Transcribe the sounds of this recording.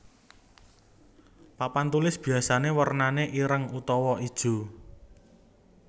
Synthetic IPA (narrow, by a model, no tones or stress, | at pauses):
papant̪ulɪsb̥i̤asanewərnaneʔiɾəŋut̪ɔwɔʔid̥ʒ̥ṳ